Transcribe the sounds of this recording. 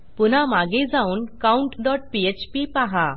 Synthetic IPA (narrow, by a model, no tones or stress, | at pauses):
pun̤amaɡed͡zauːnkauɳʈɖɔʈ̚piet͡ɕpipaɦa